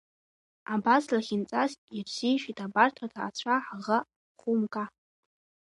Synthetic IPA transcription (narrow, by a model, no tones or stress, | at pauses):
abaslaχʲint͡sʼasirz̥ijʃᶣitʰabartʰatʰaːt͡ɕʷʰaħʁa | χumkʼa